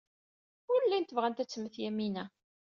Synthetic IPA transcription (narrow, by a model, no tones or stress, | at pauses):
ʊɾəlːæjnt̪əvʁænt̪æt͡sːəmːəθjæminæ